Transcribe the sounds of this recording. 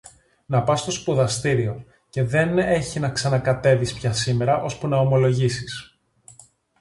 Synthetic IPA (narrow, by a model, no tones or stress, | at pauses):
nɐpɐst̪o̞spuðɐst̪iɾio̞ | ce̞ðe̞ne̞çinɐksɐnɐkɐt̪e̞vispçɐsime̞ɾɐʔo̞spunɐo̞mo̞lo̞ʝisis